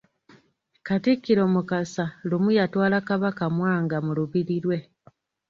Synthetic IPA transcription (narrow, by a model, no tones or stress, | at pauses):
katikːiɾo̞mukasalumujatwaːlakaβakamwaːŋɡamuluβiɾiɾwe̞